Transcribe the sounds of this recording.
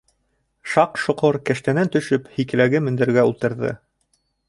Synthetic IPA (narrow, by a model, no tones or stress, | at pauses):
ʃɑqʃŏqoɾkæ̆ʃt̪ænænt̪ɵ̆ʃɵphikɘ̆læɡɘmɘ̆nd̪ɘ̆ɾɡæulˠt̪ɤ̆ɾðɤ̰